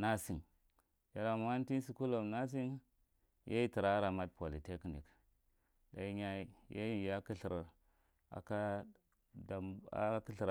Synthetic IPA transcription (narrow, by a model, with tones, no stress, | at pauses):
na˦si˨ŋ | ja˨ɾa˨m˦a˦n˦ti˦n˦si˨ku˦lo˨mna˦s̬i˦n | jʔa̰˦i˦ti˨ɾa˦ɾa˨ma˦d̚po˨li˨te˦knḭ˨k | ɗa˨i˦ɲa˦ja̰˦ji˨ja˦ki˦ɬi˨ɾa˨ | a̰˨ka˦ | da˨a̰˨˦ki˦ɬɾ